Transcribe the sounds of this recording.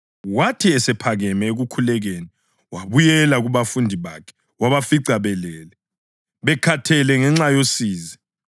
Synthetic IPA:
watʰiɛsɛpʰaɣɛmɛeɣukʰulɛɣeni | waβujɛlaɣuβafundʱiβakʰɛ̥ | waβafiǀaβɛlɛːlɛ | βɛkʰatʰɛlɛŋɛŋ͡ǁajosiːzɛ

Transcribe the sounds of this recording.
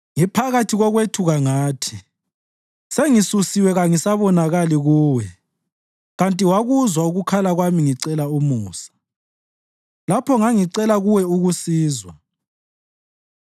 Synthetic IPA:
ŋipʰaɣatʰiɣɔɣwetʰuɣaŋaːtʰi̥ | seŋisusiwɛɣaŋisaβɔnaɣaliɣuːwɛ | ɣantʼiwaɣuzwauɣukʰalaɣwamiŋiǀɛlaumuːsḁ | lapʰɔŋaŋiǀɛlaɣuwɛuɣusiːzwa

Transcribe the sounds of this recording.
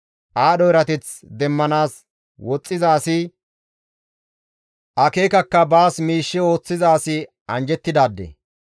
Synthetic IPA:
ʔaːɗɔɪɾɐt̪ɛt͡sd̪ɛmːɐnaːs | wɔt͡sʼːɪzaːsɪ | ʔɐke̞ːkɐkːɐbaːsmiːʃːɪo̞ːt͡sːɪzaːsɪ | ɐnd͡ʒɛt̪ːɪd̪aːd̪ːɛ̰

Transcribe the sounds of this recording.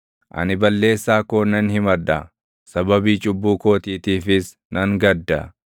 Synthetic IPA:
ʔɐ̰nɪbɐlːe̞ːsːaːkoːnɐnhɪmɐd̪ɐ | sɐbɐbiːt͡ʃʼʊbːuːko̞ːt̪iːt̪iːfɪs | nʔɐŋɡɐd̪ːɐ̰

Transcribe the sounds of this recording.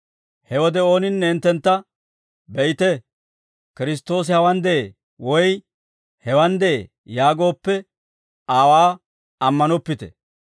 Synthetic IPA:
hɛwɔd̪ɛo̞ːnɪnːɛːnt̪ːɛnt̪ːɐ | bɛjt̪ɛ | kɪɾɪs̬t̪ːo̞ːs̬ɪhɐwɐnd̪ɛe | wɔj | hɛwɐnd̪ee | jaːɡo̞ːpːɛ | aːwaː | ɐmːɐnɔpːɪt̪ɛ̰

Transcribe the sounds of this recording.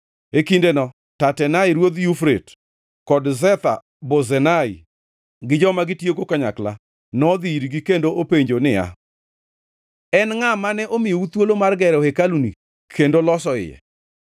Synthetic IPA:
ekindenɔ | tatɛnaiɾwod̪jufɾet | kɔdzɛt̪a̰ | bozɛnai | ɡɪd͡ʒɔmaɡɪtjekokaɲakla̰ | nɔd̪iiɾɡikendoʔopeɲd͡ʒonɪa̰ | ɛnŋamanɛʔomɪjout̪wolomarɡɛɾohekalunḭ | kʰendolɔsɔɪ̰jɛ̰

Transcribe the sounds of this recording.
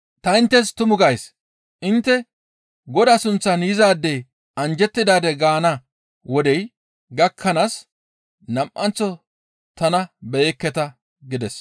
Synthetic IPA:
t̪ɐɪnt̪ːɛst̪ʊmʊɡɐjs | ʔɪnt̪ːɛ | ɡɔd̪ɐsʊnt͡sːɐnjɪzaːd̪ːej | ɐnd͡ʒɛt̪ːɪd̪aːd̪ɛɡaːnɐ | wɔd̪ɛj | ɡɐkʰːɐnaːs | nɐmʔɐnt͡sːɔ | t̪ɐnɐbeːkːɛt̪ɐ | ɡɪd̪ɛs

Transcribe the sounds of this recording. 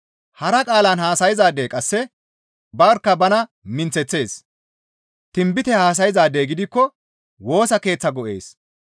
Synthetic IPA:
hɐɾɐkʼaːlɐnhaːsɐjɪzaːd̪eːkʼɐsːɛ | bɐɾkːɐbɐnɐ | mɪnt͡sɛt͡sːe̞ːs | t̪ɪmbɪt̪ɛhaːs̬ɐjɪzaːd̪eːɡɪd̪ɪkːɔ | wo̞ːsɐke̞ːt͡sːɐɡɔʔe̞̰ːs

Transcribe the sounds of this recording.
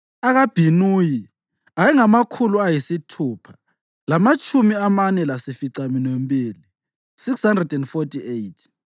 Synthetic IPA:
aɣab̥ʱinuːji | ajɛŋamakʰuluajisitʰuːpʰḁ | lamat͡ʃʼʰumiamanɛlasifiǀaminembʱʼiːli | sikshandrɛdɛndfotʰʼiejtʰ

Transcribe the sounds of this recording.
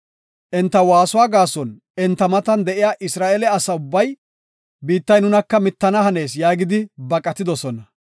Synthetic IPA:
ʔɛnt̪ːɐwaːsʊwaːɡaːsɔn | ɛnt̪ːɐmɐt̪ɐnd̪ɛʔɪjaːʔɪsɾaːʔɛlɛɐsɐʊbːɐj | biːt̪ːɐjnʊnɐkːɐmɪt̪ːɐnɐhɐne̞ːsjaːɡɪd̪ɪbɐkʼɐt̪ɪd̪ɔsɔnɐ

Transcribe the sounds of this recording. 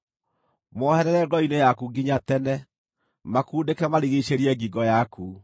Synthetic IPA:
mɔhɛɾɛɾɛɡɔinejakuɡiɲatɛnɛ | makuːdekɛmaɾiɣeɕeɾiɛŋɡiɡɔjaku

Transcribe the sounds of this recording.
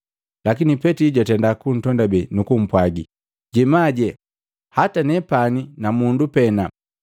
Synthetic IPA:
lakinipɛtiɟwatɛndakun̩tɔndabɛnukum̩pwaɡi | ɟɛmaɟɛ | hatanɛpaninamundupɛna

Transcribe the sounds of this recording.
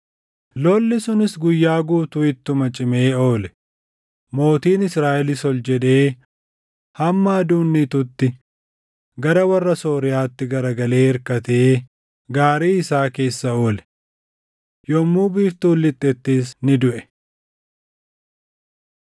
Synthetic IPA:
loːlːɪsʊnɪsɡʊjːaːɡuːt̪ʊɪt̪ːʊmɐt͡ʃʼɪmeːo̞ːlɛ | mo̞ːt̪iːnɪsɾaːʔɛlɪsɔld͡ʒɛd̪e̞ː | hɐmːɐːd̪uːnːit̪ʊt̪ːɪ | ɡɐɾɐwɐrːɐso̞ːɾɪjaːt̪ːɪɡɐɾɐɡɐle̞ːɪɾkɐt̪eː | ɡaːɾiːɪsaːke̞ːsːɐo̞ːlɛ̥ | jɔmːuːbiːft̪uːlːɪt̪ʼːɛt̪ːeːsnɪd̪ʊʔɛ̥

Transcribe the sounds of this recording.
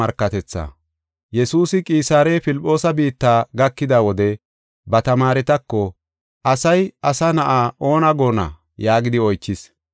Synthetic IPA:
ɐɾkːɐt̪ɛt͡sːa̰ | jɛsuːsɪkʼiːsaːɾeːpɪlpʼːo̞ːsɐbiːt̪ːaːɡɐkːɪd̪awɔd̪ɛ | bɐt̪ɐmaːɾɛt̪ɐkːɔ | ʔɐsɐjɐsɐnɐʔaːʔo̞ːnɐɡo̞ːnɐ̰ | jaːɡɪd̪ɪɔjt͡ʃːɪs

